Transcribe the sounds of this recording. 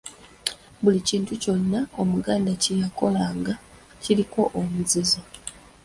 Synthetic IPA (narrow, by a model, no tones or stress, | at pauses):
βuliciːntuco̞nːaomuɡaːndacijako̞laːŋɡa | ciɾiko̞ʔomuziza